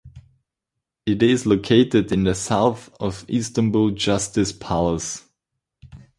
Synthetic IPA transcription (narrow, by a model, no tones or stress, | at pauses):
ɪɾɪzloʊkʰeɪtɪdɪ̃nðəsaʊθʌvistə̃nbulˠd͡ʒʌstɨspʰælˠəs